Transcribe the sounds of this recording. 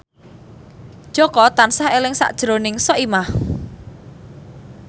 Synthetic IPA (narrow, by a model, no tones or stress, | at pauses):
d̥ʒ̥ɔ̤kɔt̪ansahelɪŋsa̰ʔd̥ʒ̥ɾonɪŋsɔʔimah